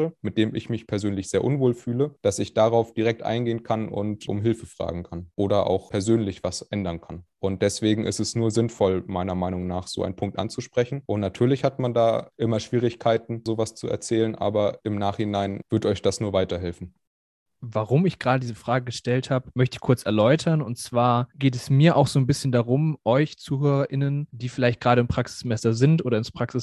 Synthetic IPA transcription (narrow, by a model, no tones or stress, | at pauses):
əmɪt̚d̥eːmɪ̰çmɪçpʰɛɐzøːnlɪçz̥eːɐʔʊnvoːlfyːləd̥asɪçd̥aʁaʊfd̥iʁɛk̚tʔa̰ɪnɡeːənkʰanʔʊ̰ntʔʊ̰mɦɪlfəfʁ̥a̰ːɡŋ̩kʰanʔoːɾɐʔa̰ʊxpʰɛɐzøːnlɪçv̥asʔɛndɐnkʰanʔʊnt̚d̥ɛsv̥eːɡŋ̩ʔɪ̰stɛsnuːɐzɪnfɔlmaɪnɐmaɪnʊŋnaːχz̥o̰ːʔa̰ɪnpʰʊŋk̚tʔa̰nt͡suʃpʁ̥ɛçn̩ʔʊntnatʰyːɐlɪçhatmandaːʔɪmɐʃv̥iːʁɪçkʰaɪtn̩zoːvast͡suɛ̰ɐt͡sɛːlənʔa̰ːbɐʔɪmnaːχhɪnaɪnv̥ʏɐtɔʏçd̥asnuːɐvaɪtɐɦɛlfn̩ | vaʁʊmɪçɡ̥ʁaːdədiːzəfʁ̥aːɡəɡəʃtɛlthaːbəmœçtəɪçkʰʊɐt͡sɛɐlɔʏtʰɐnʊntt͡sv̥aːɐɡ̥eːtɛsmiːɐʔaʊxz̥oːnbɪsçəndaʁʊmʔɔʏçt͡suːɦøːʁɐʔɪnənd̥iːfɪlaɪçt̚ɡ̥ʁaːɾəɪmpʁ̥aksɪ̥smɛsɐzɪntʔoːdɾɐɪnspʁ̥aksɪs